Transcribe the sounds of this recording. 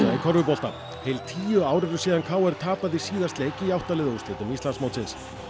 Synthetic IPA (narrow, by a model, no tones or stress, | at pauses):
ikʰɔɾvʏpɔl̥t̪a | hejlt̪ʰiːjʏaːwɾɪɾʏ̥siːðankʰaːwɛɾ̥t̪ʰaːpaðisiːðast̪lejcɪiawht̪alɪːðust̪ɪːt̪ʏmist̪lansmowt̪sɪns